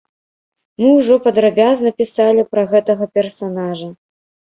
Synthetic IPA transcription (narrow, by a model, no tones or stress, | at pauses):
mɨwʐɔpɐd̪ɾabʲaznɐpʲisalʲipɾɐɣɛt̪ɐɣɐpʲɛrsanaʐɐ